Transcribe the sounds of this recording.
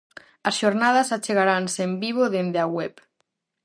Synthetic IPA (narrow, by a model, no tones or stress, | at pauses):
ɐsʃoɾnað̞asat͡ʃeɣaɾansembiβ̞oðend̪eaɣwɛp